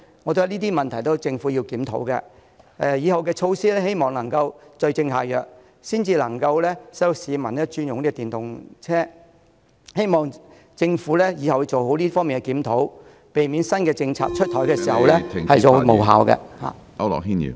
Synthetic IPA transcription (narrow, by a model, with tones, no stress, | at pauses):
ŋɔː˨˧t̪o˥jɐ˧liː˥t̪̬iː˥mɐ˨nt̪ʰɐ˨˩jt̪o˥wt͡sɪ˧ŋfu˨˥ji˧wkiː˨˥mt̪ʰo̰˨˥wkɛ̰˧ | ɛ˧jiː˨˧hɐ˨wkɛː˧t͡ʃʰo˧wsiː˥lɛː˥he˥jmɔː˨ŋlɐ˨˩ŋkɐ˧wt͡ʃɵ˧ɥt͡sɪ˧ŋɦaː˨˩jœː˨˩k̚ | siː˥nt͡siː˧lɐ˨˩ŋkɐ˧wlɛː˥sɐ˥siː˨˧mɐ˨˩nlɛː˥t͡ʃyː˥njʊ˨ŋnliː˥˧t̪iː˨nt̪ʊ˨˩ŋt͡sʰɛː˥ | he˥jmɔː˨ŋ | t͡sɪ˧ŋfuː˨˥lɛː˥jiː˨˧hɐ˨wjt͡so˨wɦo˨˥wliː˥fɔː˥ŋmi˨nkɛ˧˩kiː˨˥mt̪ʰo˨˥w | pe˨jmi˨˥nsɐ˥nkɛː˧t͡sɪ˧ŋt͡sʰa̰ː˧k̚t͡ʃʰɵ˥t̪ʰɔː˨˥jkɛː˧siː˨˩hɐ˨wlɛː˥hɐ˨jt͡so˨wmo˨˩ɦa̰ː˨wkɛ̰˧ha̰ː˨ | ɐ˧ɔ̰˨˩ɦi˥njḭ˨˧